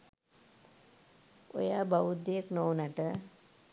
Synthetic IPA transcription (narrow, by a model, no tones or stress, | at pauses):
o̰jaːbaʋud̪ːejəknownaʈə